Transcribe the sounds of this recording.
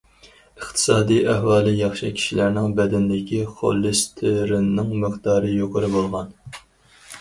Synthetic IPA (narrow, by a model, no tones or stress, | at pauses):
ɨχt̪ʰɨ̥sɑːd̪ijæhwɑːlˠɨjɑχʃɨ̰kʲʰi̥ʃilæɾnɪŋbɛd̪ɪnd̪ɪkʲʰiχo̰lˠːɨst̪ʰɪɾɪnːɪŋmɨqd̪ɑːɾɨjoqʰəɾɨbolˠʁɑn